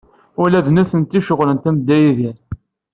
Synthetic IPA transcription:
ʊɾlæðnuθənt̪ːiʃəʁlənt̪æmd̪ːæjiðiɾ

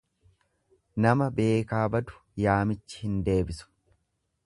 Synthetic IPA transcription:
nɐmɐbe̞ːkaːbɐd̪ʊ̥ | jaːmɪt͡ʃːɪ̥hɪnd̪e̞ːbɪsʊ̥

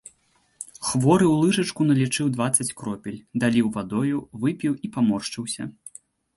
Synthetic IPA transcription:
xvɔɾɨwlˠɨʐɐt͡ʂkunɐlʲit͡ʂɨwd̪vat̪sɐt͡sʲkɾɔpʲilʲd̪alʲiwvad̪ɔjuvɨpʲiwipamɔrʂt͡ʂɨwsʲɐ̰

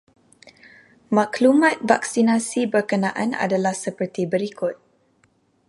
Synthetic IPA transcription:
mãklumãt̪̚va̰ksinãsibərkənãʔã̰na̰dalahsəpərt̪ibəɾikʊt̪̚

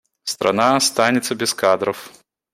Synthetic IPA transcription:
st̪ɾʔa̰naɐst̪anʲɪt̪səbʲɪskad̪ɾəf

